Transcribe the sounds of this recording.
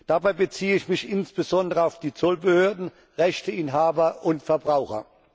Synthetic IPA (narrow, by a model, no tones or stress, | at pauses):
d̥abaɪbət͡siːəɪçmɪçɪnsb̥əzɔndəʁəaʊfd̥iːt͡sɔlbəhøːɐdn̩ | ʁɛçtəʔɪnɦaːbɐʔʊntfɛɐbʁaʊxɐ̰